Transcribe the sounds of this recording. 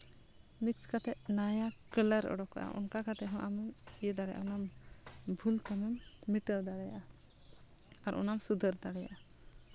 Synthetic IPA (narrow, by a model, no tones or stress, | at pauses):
mikskat̪ɛʔnajakələɾɔ̰ɽɔka̰ʔa̰ʔɔ̰nkakat̪ɛɦɔ̃ʔamɛmijɛd̪aɽɛjʔa̰ɔnambʱult̪amɛmːiʈəld̪aɽɛjaʔa | aɾʔɔ̰namsud̪ʱəɾd̪aɽɛja̰ʔa